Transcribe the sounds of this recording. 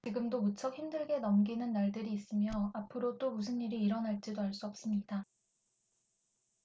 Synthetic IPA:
t͡ɕiɡɯmdomut͡ɕʰʌk̚çimdɯɭɡe̞nʌmɡinɯnːaɭdɯɾiːs͈ɯmjʌapʰɯɾot͈omus̬ʰɯnːiɾiːɾʌnaɭt͡ɕ͈idoaɭs͈uʌp̚s͈ɯmɲida

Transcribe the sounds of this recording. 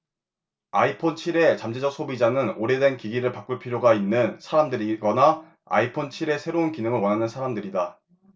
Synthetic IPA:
aipʰont͡ɕʰiɾe̞t͡ɕamd͡ʑed͡ʑʌk̚s͈ʰobid͡ʑanɯnoɾe̞dwenkiɡiɾɯɭpak͈uɭpʰiɾjoɡainːɯnsʰaɾamdɯɾiɡʌna | a̰ipʰont͡ɕʰiɾe̞sʰe̞ɾounkinɯŋɯɭwʌnɦanɯnsʰaɾamdɯɾida

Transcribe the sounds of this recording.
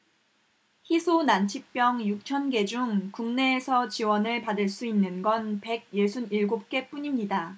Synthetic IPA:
çisʰonant͡ɕʰip̚p͈jʌŋjuk̚t͡ɕʰʌnɡe̞d͡ʑuŋkuŋne̞ːsʰʌt͡ɕiwʌnɯɭpadɯɭs͈uinːɯnɡʌnpe̞ɡ̚je̞sʰuniɭɡop̚k͈e̞p͈uɲimɲida

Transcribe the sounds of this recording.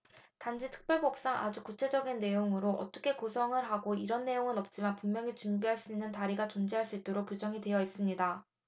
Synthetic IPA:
tand͡ʑʰitʰɯ̥k̚p͈jʌɭbʌp̚s͈aŋʔa̰d͡ʑukut͡ɕʰe̞d͡ʑʌɡinːe̞joŋɯɾoʔʌ̰t͈ʌkʰe̞kusʰʌŋɯɭɦaɡoiɾʌnːe̞joŋɯnʌp̚t͡ɕ͈imanpuŋmjʌŋit͡ɕumbiɦaɭs͈uinːɯntaɾiɡat͡ɕond͡ʑiɦaɭs͈uit̚t͈oɾok̚p͈jod͡ʑʌŋidwe̞jʌis͈ɯmɲida

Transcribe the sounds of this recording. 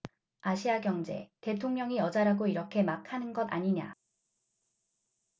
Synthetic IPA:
aɕʰiaɡjʌŋd͡ʑe̞̰te̞tʰoŋɲʌŋijʌd͡ʑaɾaɡoiɾʌkʰe̞makʰanɯnɡʌda̰ɲiɲa̰

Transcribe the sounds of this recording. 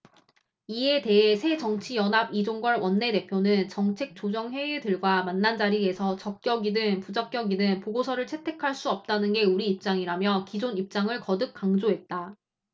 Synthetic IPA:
ie̞te̞ɦe̞sʰe̞d͡ʑʌŋt͡ɕʰijʌnabid͡ʑoŋɡwʌɭwʌnːe̞te̞pʰjonɯnt͡ɕʌŋt͡ɕʰe̞k̚t͡ɕ͈od͡ʑʌŋɸwe̞idɯɭɡwamanːand͡ʑaɾie̞sʰʌt͡ɕʌk̚k͈jʌɡidɯŋpud͡ʑʌk̚k͈jʌɡidɯŋpoɡosʰʌɾɯɭt͡ɕʰe̞tʰe̞kʰaɭs͈uʌp̚t͈anɯnɡe̞uɾiːp̚t͡ɕ͈aŋiɾamjʌkid͡ʑonip̚t͡ɕ͈aŋɯɭkʌdɯk̚k͈aŋd͡ʑoɦe̞t̚t͈a

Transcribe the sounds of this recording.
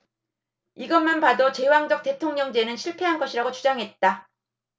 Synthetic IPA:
iɡʌnmanpadot͡ɕe̞waŋd͡ʑʌk̚t͈e̞tʰoŋɲʌŋd͡ʑe̞nɯnɕʰiɭpʰe̞ɦanɡʌɕʰiɾaɡot͡ɕud͡ʑaŋɦe̞t̚t͈a

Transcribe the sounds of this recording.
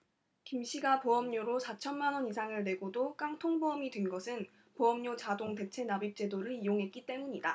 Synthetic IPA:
kimɕʰiɡapoʌmɲoɾosʰat͡ɕʰʌnmanwʌnisʰaŋɯɭne̞ɡodok͈aŋtʰoŋboʌmidwenɡʌsʰɯn | poʌmɲot͡ɕadoŋte̞t͡ɕʰe̞nabip̚t͡ɕ͈e̞doɾɯɾijoŋɦe̞t̚k͈it͈e̞muɲida

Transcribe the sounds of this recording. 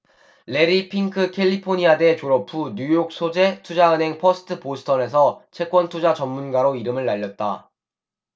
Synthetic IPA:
le̞ɾipʰiŋkʰɯkʰe̞ʎːipʰoɲiade̞t͡ɕoɾʌpʰuɲujok̚sʰod͡ʑe̞tʰud͡ʑaɯnɦe̞ŋpʰʌsʰɯ̥tʰɯposʰɯ̥tʰʌne̞s̬ʰʌt͡ɕʰe̞k͈wʌntʰud͡ʑat͡ɕʌmːunɡaɾoiɾɯmɯɭːaʎːʌt̚t͈a̰

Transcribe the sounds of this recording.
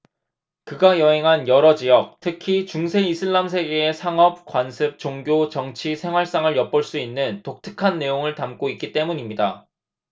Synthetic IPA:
kɯɡajʌɦe̞ŋɦanjʌɾʌd͡ʑijʌk̚tʰɯkʰit͡ɕuŋsʰe̞isʰɯɭːamsʰe̞ɡeesʰaŋʌp̚k͈wansʰɯp̚t͡ɕoŋɡjot͡ɕʌŋt͡ɕʰisʰe̞ŋɦwaɭs͈aŋɯɭjʌp͈ʌɭs͈uinːɯntok̚tʰɯ̥kʰanːe̞joŋɯɭtamk͈oik͈it͈e̞muɲimɲida

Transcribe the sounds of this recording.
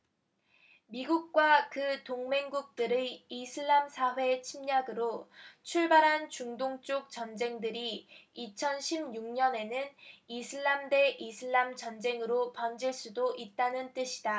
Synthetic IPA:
miɡuk̚k͈wakɯtoŋme̞ŋɡuk̚t͈ɯɾeisʰɯɭːamsʰaɸwe̞t͡ɕʰimɲaɡɯɾot͡ɕʰuɭbaɾɦant͡ɕuŋdoŋt͡ɕ͈ok̚t͡ɕʌnd͡ʑe̞ŋdɯɾiit͡ɕʰʌnɕʰimɲuŋɲʌne̞nɯnisʰɯɭːamde̞ʔisʰɯɭːamt͡ɕʌnd͡ʑe̞ŋɯɾopʌnd͡ʑiɭs͈udoʔit̚t͈anɯnt͈ɯɕʰi̥da

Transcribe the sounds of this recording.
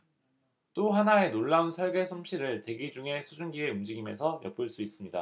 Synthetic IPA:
t͈oɦanae̞noɭːaunsʰʌɭɡe̞sʰumɕʰiɾɯɭte̞ɡid͡ʑuŋe̞sʰud͡ʑuŋɡie̞umd͡ʑiɡimḛnsʰʌjʌ̰p̚p͈ɯɭs͈uis͈ɯmɲida̰

